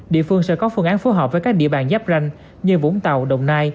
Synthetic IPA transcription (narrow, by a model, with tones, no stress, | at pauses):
ɗḭ˧˨əfɨ˧əŋsɛ̰˧˥kɔ˨˦fɨ˧ŋʔaː˨˦nfu˨˦ɦɔː˨˩p̚vəː˨˦jkaː˦˥k̚ɗḭ˧˨əɓaː˧˩nzaː˦˥p̚za˧jŋ̟ | ɲɨ˧vṵ˧˥ŋ͡mt̪a˨˩wɗə˨˩wŋ͡mnaː˧j